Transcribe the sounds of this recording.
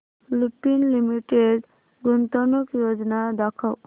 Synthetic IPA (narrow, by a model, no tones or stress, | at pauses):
lupinlimiʈeɖ | ɡunt̪ɔnɔkjod͡ʒɔnad̪akʰaw